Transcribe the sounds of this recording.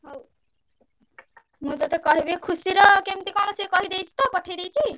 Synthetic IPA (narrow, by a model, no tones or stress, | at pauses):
ɦow | mũt̪ɔt̪ekɔɦibekʰusiɾɔkemt̪ekɔmɔsekɔɦid̪ejt͡ʃʰi̥t̪ɔpɔʈʰejd̪ejt͡ɕʰi